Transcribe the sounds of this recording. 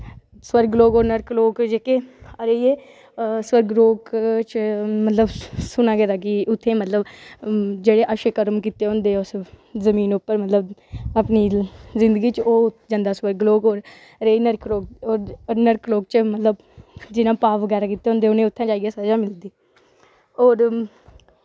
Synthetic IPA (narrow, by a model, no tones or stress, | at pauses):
swəɾɡloːɡoːɾnəɾkloːkd͡ʒeːkeːəɾejeː | swəɾɡɾoːkt͡ʃmət̪ləbsʊnaːɡɛːd̪aːk̬ɪʊt̪ʰːẽːmət̪ləb | d͡ʒeːɽeːʔəʃekəɾmkiːt̪eːɦʊ̃ːnd̪eːʊszəmiːnʊpːəɾmət̪ləbəpniːzɪ̃nd̪əɡiːt͡ʃoːd͡ʒə̃nd̪aːswəɾɡloːɡoːɾː | eːinəɾkʰloːkoːɾnəɾkloːk̚t͡ʃəmət̪ləb | d͡ʒɪnãːpaːʋəɡɛːɾaːkiːt̪ːeːõnd̪eːʊnẽːʊt̪ʰːãːd͡ʒaːiːɡasəd͡ʒaːmɪld̪iː | ɔːɾ